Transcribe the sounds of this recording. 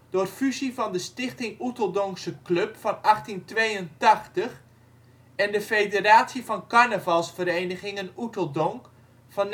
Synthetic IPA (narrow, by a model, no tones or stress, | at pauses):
d̥ʊrfyzivɑndəstɪχtɪŋutəlˠdɔŋksəklɵpfɑnɑχtintʋejəntɑχtəχ | ɛndəfejdəraːtsivɑnkaɹnəvɑlˠsfəɾejnəχɪŋənutəlˠdɔŋk | fɑn